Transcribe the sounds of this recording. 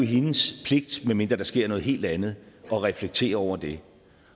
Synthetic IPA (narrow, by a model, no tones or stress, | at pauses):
ɦenəspʰle̝ɡ̥̚d̥menme̝nd̥ʁɐd̥ɑ̈sɡ̥e̝ɐ̰nɔ̽ːð̩ɦe̝̰ːld̥ænð̞̩ˠɒ̽ʁɛfleɡ̥̚t͡sʰe̝̰ːɐɒʊ̰ɐd̥e̝